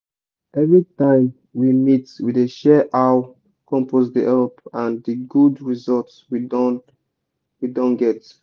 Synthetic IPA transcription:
ɛvɹitãɪ̃m | wimitwideʃɛʔaʊ | kʰɔ̃mpos̬diʔɛlpãndiɡudɹizɔltswidn | widɔ̃nɡɛt

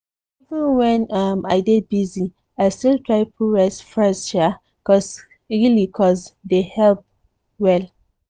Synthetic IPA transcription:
ivə̃nwɛ̃namaɪɡɛt̚bizi | aɪstiltʰɹaɪpʰuɹɛsfɹɛsʃɛ | kɔs | ɹilikʰɔsdehɛlp̚ | wɛl

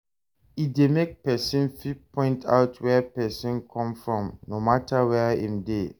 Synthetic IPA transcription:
idemek̚pɛsĩnfit̚pʰɔ̃ɪ̃ntʰa̰ʊtʰwɛpɛsĩnkʰɔ̃mfɹɔ̃mnomatʰawɛĩmde

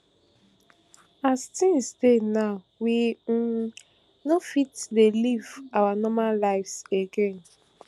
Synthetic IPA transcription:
astĩnsdenaʊ | wi | nofitdelivawanɔmallaɪfseɡen

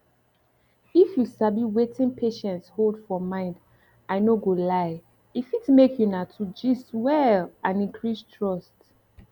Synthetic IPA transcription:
ifjusabiwetʰĩnpʰeʃɛ̃ntsholdfɔmãɪ̃nd | aɪnoɡolaɪ | ifitmekʰjunatʰud͡ʒiswɛlãnĩŋkʰɹistʰɹɔst

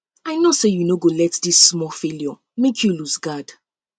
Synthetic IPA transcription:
aɪnɔsejunoɡolɛtdisːmɔfeljɔ | mekʰjuluzɡad̥

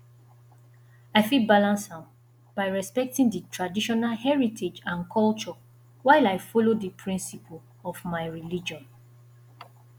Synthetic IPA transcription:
aɪfibalãnshãm | b̥aɪɹɛspɛk̚tĩŋdətʰɹadiʃɔnalhɛɹitʰed͡ʒãnkʰɔlt͡ʃɔ | waɪlaɪfɔlodəpʰɹĩnsipʰl̩ | ɔvmaɪɹilid͡ʒɔ̃n

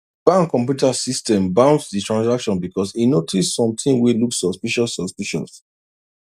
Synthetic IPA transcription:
b̥ãŋkɔ̃mp̬jutasistɛ̃mbãʊ̃ntsditʰɹãnsakʃɔ̃nbikɔsinotʰissɔ̃mt̪ĩŋwiluksɔspiʃɔsːɔspiʃɔ̰s

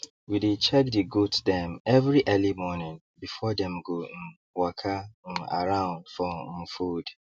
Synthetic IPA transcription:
widet͡ʃʰɛkdiɡutdɛ̃mɛvɹiʔɛlimɔnɪ̃n | bifɔdɛ̃mɡon̩ | wakʰan̩a̰ɹãʊ̃nd̥fɔm̩fud

